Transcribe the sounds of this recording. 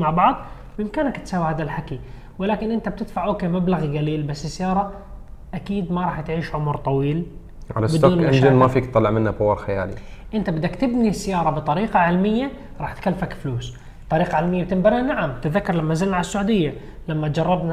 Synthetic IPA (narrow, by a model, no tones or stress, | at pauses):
maʕbɑʕðˤ | wʔɪmkaːnakt̪saːwːʕad̪alħaki | wɪlaːkɪnʔɪnt̪ab̚t̪ɪd̪faʕʔoːkeːmablaɣɡaliːlbasːɪsːajɑːɾˤɑ | ʔakiːd̪mɑɾˤɑːħt̪ʕiːʃʕʊmɾt̪ˤɑwiːl | ʕa̰labɪd̪uːnɪnd͡ʒɪnmafiːkt̪ˤːɑlːɪʕmɪnːabʊwːɑlxaja̰ːlḭʔɪnt̪abɪd̪ːakt̪ɪbnisːajɑːɾˤɑbɨt̪ˤɑɾiːqɑʕɪlmɪjːa | ɾˤɑːħt̪kalːfakfluːs | t̪ˤːɑɾiːqɑʕɪlmɪjːab̚t̪ɪmbaɾanaʕamt̪ɪðːakːɑɾˤlamːazɪlnaʕalasːaʕuːd̪ɪjːa | lamːad͡ʒɑrˤːɑbna